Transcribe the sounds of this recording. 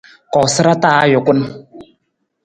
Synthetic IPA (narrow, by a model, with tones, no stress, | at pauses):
kɔ˨sɨ˦ɾa˦ta˦jʊ˨kʷʊ˦n˦